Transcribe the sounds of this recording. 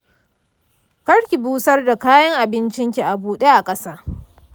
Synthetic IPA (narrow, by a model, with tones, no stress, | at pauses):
kɐ˦ɽkʲi˨buː˦sɐ˦rda˨kaː˦jɐ˦ŋʔa˨bɪ˦nt͡ʃɪ˦ŋkʲi˨ʔa˨buː˦ɗe˦ʔa˨kʼɐ˦saː˦